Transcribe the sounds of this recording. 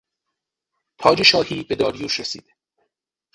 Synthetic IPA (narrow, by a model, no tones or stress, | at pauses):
t̪ʰɒːd͡ʒe̞ʃɒːhiːbe̞d̪ɒːɾijuːʃɾesḭːd̪̥e